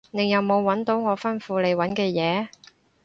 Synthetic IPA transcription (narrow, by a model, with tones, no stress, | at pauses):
neɪ˨˧jjɐ˨wmo˨˧wːɐ˨˥nt̪o˨˥wŋɔː˨˧˥fɐ˥nfuː˨˧le˨jwɐ˨˥nkɛː˧jɛː˨˧